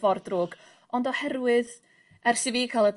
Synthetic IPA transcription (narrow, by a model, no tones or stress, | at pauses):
vɔrdroːɡ | ɔndɔhɛrwɨð | ɛrsɪvikʰalˠəb